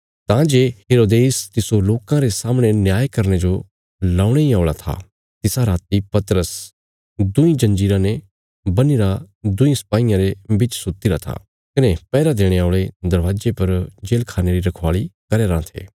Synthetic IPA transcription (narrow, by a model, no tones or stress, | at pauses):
t̪ãd͡ʒeːɦeːɾoːd̪eːst̪ɪsoloːkãɾesaːmɽ̃enjaːjkɐɾñed͡ʒo | laːʊɽ̃eĩaːʊɭat̪ʰa̰ | t̪ɪsaɾaːt̪ipɐt̪ɾəs | d̪ʊĩd͡ʒɐ̃nd͡ʒiːɾãne | bɐniɾa | d̪ʊĩsɐ̥paːɪjãɾebɪt͡ʃsʊt̪iɾat̪ʰa̰ | kɐnepɛːɾad̪eːɽ̃eaːʊɭed̪ɐɾʋaːd͡ʒepɐɾd͡ʒeːlkʰaːneɾiɾɐkʰʋaːɭikɐɾeɾãːt̪ʰḛː